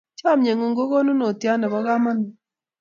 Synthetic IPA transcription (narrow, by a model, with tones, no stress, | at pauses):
t͡ʃa˦˨mɲe˨ŋo˨ŋɡo˦ko˦nu˦no˨tja˦nɛ˨βɔ˦ɡa˦ma˦n˨